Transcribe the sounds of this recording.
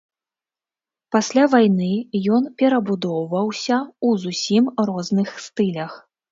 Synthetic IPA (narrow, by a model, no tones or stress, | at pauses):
pasʲlʲavajnɨjɔnpʲɛɾɐbud̪ɔwvɐwsʲɐuzusʲimɾɔznɨxst̪ɨlʲɐx